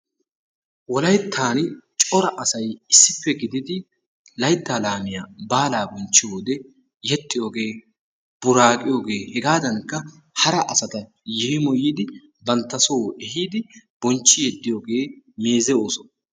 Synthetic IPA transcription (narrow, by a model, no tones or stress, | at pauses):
wɔlɐjt̪ʰːaːnt͡ʃʼɔɾɐʔɐsɐjɪsːɪpːɛɡɪd̪ɪd̪ɪ | lɐjt̪ːaːlaːmɪjaːbaːlaːbɔnt͡ʃːɪjoːd̪ɛ | jɛt̪ʼːɪjo̞ːɡe̞ː | b̥ʊɾaːkʼɪjo̞ːɡe̞ːhɛɡaːd̪ɐnkːɐ | hɐɾɐʔɐsɐt̪ɐ | jɛhɪmɔjiːd̪ɪ | bɐnt̪ːɐso̞ːɛhiːd̪ɪb̥ɔnt͡ʃːɪjɛd̪ːɪjoːɡe̞ː | me̞ːzɛoːsɔn